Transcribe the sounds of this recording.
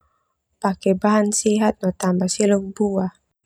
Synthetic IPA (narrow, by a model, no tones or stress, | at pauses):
pakɛbaɦansiɦat̪̚nɔt̪ambasilok̚bua